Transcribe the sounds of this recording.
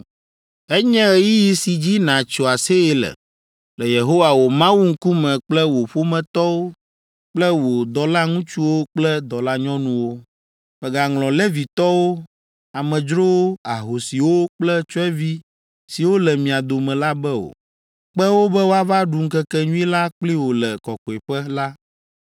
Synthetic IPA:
ɛ˦ɲɛ̃˦ɣɛ˨ji˦ji˨si˨d͡ʑi˦nã˨t͡ʃo˨a˨se˦ɛ˦lɛ̰˨ | lɛ˨je˨ɦo˦wa˨wo˨mã˦wu˦ŋ̩˦ku˦mɛ̃˨k͡plɛ˦wo˨ɸo˦mɛ̃˨t̪ɔ˦wo˦ | k͡plɛ˦wo˨d̪ɔ˨la˦ŋũ˦t͡ʃu˦wo˦k͡plɛ˦d̪ɔ˨la˦ɲɔ̃˦nũ˦wo˦ | ɸɛ˨ɡa˨ŋlɔ̃˨lɛ˦vi˨t̪ɔ˦wo˦ | a˨mɛ̃˨d͡ʒɾo˦wo˦a˨ɦo˨si˨wo˦k͡plɛ˦t͡ʃo˦ɛ˦vi˦ | si˨wo˦lɛ˨mĩ˨a˨d̪o˨mɛ̃˨la˦bɛ˦o̰˨ | k͡pɛ˦wo˦bɛ˦wo˦a˦˨va˦ɖu˨ŋ̩˦kɛ˦kɛ˦ɲũ˦i˦la˦k͡pli˦wo˨lɛ˨kɔ˨kɔ˨e˨ɸɛ˦la˦

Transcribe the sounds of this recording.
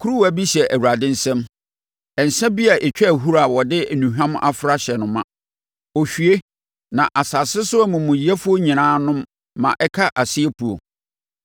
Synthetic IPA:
kʰu˦ɾu˦wæ˦˨bi˦ɕɛ˨ʔæ˨wu˨ɾa˨dɪ̃˦n̩˦sɛ̃˦m | ɛ˨n̩˨sɛ̃˦bi˦a˨ʔe˨t͡ɕᶣɛ˦æ˨ɦu˦ɾa˨wɔ˨dɪ˦˨nũ˨ɦᶣã˦m˦ʔa̰˦fʊ˨ɾa˦ɕɛ˨nʊ̃˨mã˦ | ɔ˨ɕᶣɥe˦ | nã˨ʔa˨sa˨sɪ˦sʊ˦ɛ˦mʊ̃˨mʊ̃˨ji˨æ˦fʊ˦o˦ɲĩ˨nãː˦nʊ̃˦mː | ã̰˨ʔɛ˦kʰa˦ʔa˨sɪ˦ɛ˦pʰu˨o̰˨

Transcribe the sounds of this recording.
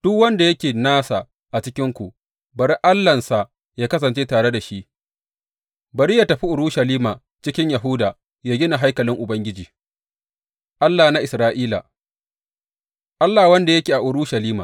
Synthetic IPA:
d̥ʊ˦kwɐ˦nda˨jɐ˦kʲeː˨naː˦sa˨ | ʔa˨t͡ʃɪ˦kʲɪ˦ŋkʷu˨ʔ | bɐ˨ɾʔa˦lːɐ˨nsa˨ | jaː˦kɐ˦s̬ɐ˨nt͡ʃeː˦taː˨ɽe˦da˨ʃi˦ʔ | bɐ˨ɾiː˦jaː˦tɐ˨ɸi˦ʔʊ˨ɾuː˦ʃɐ˨liː˦maː˨ | t͡ʃɪ˦kʲɪ˦ɲja˨ɦʊ˦daː˨ | jaː˦ɡʲɪ˦na˨ɦa˦jkɐ˨lɪ˦ŋʔʊ˨bɐ˦ŋɡʲɪ˦d͡ʒiː˨ | ʔa˦lːaː˨na˦ʔɪ˨sɾaː˦ʔiː˦la̰˨ | ʔa˦lːaː˨wɐ˦nda˨jɐ˦kʲeː˨ʔa˨ʔʊ˨ɾuː˦ʃɐ˨liː˦ma̰ː˨

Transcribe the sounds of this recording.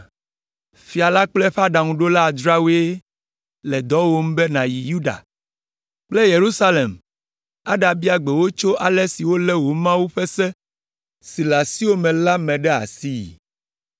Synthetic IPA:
fi˨a˨la˦k͡plɛ˦ɸa˦ɖa˨ŋũ˨ɖo˦la˦˨d͡ʒ̪ɾa˦wo˦e˦ | lɛ˨d̪ɔ˦wo˦m̩˦bɛ˦nã˨ji˨ju˦ɖa̰˨ | k͡plɛ˦je˨ɾu˦sa˦le˨m | a˦ɖa˨bi˦a˨ɡ͡bɛ˨wo˦t͡ʃo˦ʔa˨lɛ˦si˨wo˦lɛ˦wo˨mã˦wu˦ɸɛ˦sɛ˦ | si˨la˨si˦o˦mɛ̃˨la˦mɛ̃˨ɖɛ˦a̰˨si˦jḭ˨

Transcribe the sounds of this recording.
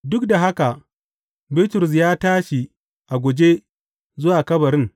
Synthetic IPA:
dʊ˦kda˨ɦa˦ka˨ | bɪ˦tʊ˨ɾʊ˨s̬jaː˦taː˦ʃi˨ | ʔa˨ɡʷo˨d͡ʒe˦ | zʊ˦waː˨kɐ˦bɐ˨ɾɪ˦ŋ

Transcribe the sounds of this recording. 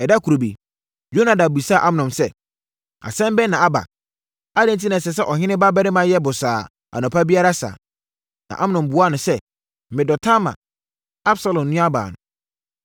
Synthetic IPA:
ɛ˨da˦kʰu˨ɾo˨bḭ˨ | jo˦nã˨da˨bu˨sa˦˨ʔa˦m˦˨nɔ̃˨msɛ˦ | a̰˨sɛ̃˦m˦bɛ˦nã˨a˦ba̰˨ | a˦dɛ̃˦nt̬ʰi˦nã˨sɛ˨s̬ɛ˦ʔɔ˨ɦɪ̃˦nɪ̃˦ba˦bɛ˦ɾɪ˦mã˨jɛ˦bʊ˨saː˨ | a̰˨nʊ̃˨pʰa˦bi˦a˦ɾa˦sa̰ː˨ | nã̰˨ʔa˦m˦˨nɔ̃˨mbʊ˨˦a˦˨nʊ̃˨sɛ˦ | mɪ̃˨dɔ˨tʰã˦mã̰˨ | a˦bsa˦lɔ̃˨mnũ˦a˦ba̰ː˨nʊ̰̃˨

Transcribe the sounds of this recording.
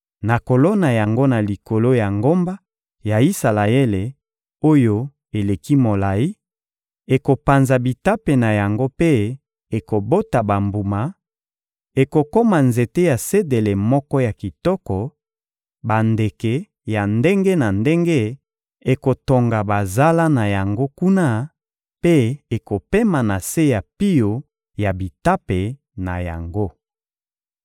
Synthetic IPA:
na˨ko˨lo˦na˨ja˨ŋɡo˦na˨li˨ko˨lo˦ja˨ŋɡo˦mba˦ | ja˨i˦sa˨la˨e˦le˨ | o˦jo˦ | e˨le˨ki˦mo˨la˨i˦ | e˨ko˨pa˨nza˨bi˨ta˦pe˨na˨ja˨ŋɡo˦pe˦ | e˨ko˨bo˦ta˨ba˨mbu˨ma˨ | e˨ko˨ko˦ma˨nze˨te˦ja˨se˦de˨le˨mɔ˦kɔ˦ja˨ki˨tɔ˦kɔ˨ | ba˨nde˨kɛ˨ | ja˨nde˦ŋɡe˦na˨nde˦ŋɡe˦ | e˨ko˨to˨ŋɡa˨ba˨za˦la˦na˨ja˨ŋɡo˦ku˦na˦ | pe˦e˨ko˨pe˦ma˨na˨se˦ja˨pi˦jo˨ | ja˨bi˨ta˦pe˨ | na˨ja̰˨ŋɡo˦

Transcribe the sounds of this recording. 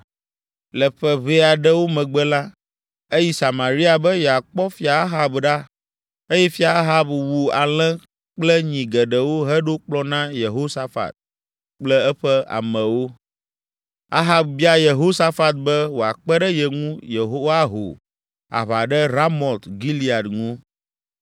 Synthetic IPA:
lɛ˨ɸɛ˦βe˦a˨ɖɛ˦wo˦mɛ̃˨ɡ͡bɛ˦la˦ | e˦ji˦sa˨mã˨ɾi˦a˨bɛ˦jɛ˨a˨k͡pɔ˦fi˦a˨a˦ɦa˨bɖa˦ | e˦jɛ˦fi˦a˨a˦ɦa˦bwu˨a˨l̃ɛ̃˦ | k͡plɛ˦ɲĩ˨ɡɛ˨ɖɛ˨wo˦ɦɛ˦ɖo˦k͡plɔ˦nã˦je˨ɦo˦sa˦fa̰˨t̪̚ | k͡plɛ˦ɛ˦ɸɛ˦a̰˨mə̃˨wo˦ | a̰˦ɦa˨bbi˦a˦je˨ɦo˦sa˦fa˨t̪̚bɛ˦wo˨a˨k͡pɛ˦ɖɛ˦jɛ˨ŋũ˦je˨ɦo˦wa˦ɦo̰˨ | a̰˨βa˨ɖɛ˦ɾa˦mɔ˨lt̪ɡi˦li˦a˨dŋũ˦

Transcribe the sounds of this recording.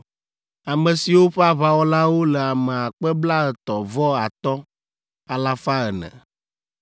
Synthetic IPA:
a˨mɛ̃˨si˨wo˦ɸɛ˦a˦βa˦wɔ˦la˦wo˦lɛ˨a˨mɛ˨a˨k͡pɛ˦bla˦ə˨t̪ɔ˨vɔ˦a˨t̪ɔ˦ | a˨la˦fa˦ə˨nɛ̰̃˨

